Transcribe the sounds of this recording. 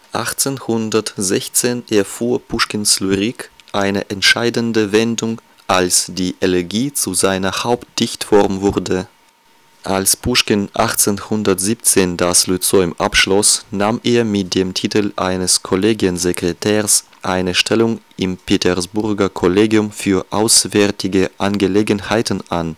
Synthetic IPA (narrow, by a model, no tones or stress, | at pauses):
ʔa̰χt͡seːnhʊndɐtzɛçt͡seːnʔɛɐfuːɐpʰuʃkɪnslyʁikʔaɪnəʔɛntʃaɪdəndəvɛndʊŋ | ʔalsd̥iːʔɛlɛɐɡiːt͡suzaɪnɐhaʊpt̚d̥ɪçtfɔʁmvʊɐdə | ʔalspuʃkənʔa̰χt͡seːnhʊndɐtz̥iːp̚t͡seːndaslyt͡sɔʏmʔapʃlɔsnaːmeːɐmɪt̚d̥eːmtʰiːtəl̩ʔa̰ɪnəskʰɔleːɡiənzekʁ̥etʰɛːs | ʔaɪnəʃtʰɛlʊŋʔɪmpʰetʰɛɐsb̥ʊɐɡɐkʰɔleːɡjʊmfyːɐʔaʊsv̥ɛɐtʰɪɡəʔanɡəleːɡənhaɪtn̩ʔan